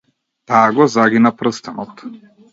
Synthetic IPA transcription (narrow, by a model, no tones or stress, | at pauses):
t̪aːɡɔzaɡinapɾɤst̪anɔt̪